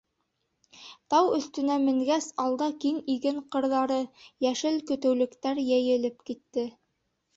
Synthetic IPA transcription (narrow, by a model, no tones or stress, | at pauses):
t̪ɑwɵ̆θt̪ɵ̆næmɘ̆ŋɡæsɑlˠd̪ɑkiŋiɡɘɴqɤ̆ɾðɑɾɤjæʃɘlkɵ̆t̪ɘ̆wlɘ̆kt̪æɾjæjɘ̆lɘpkit̪ːɘ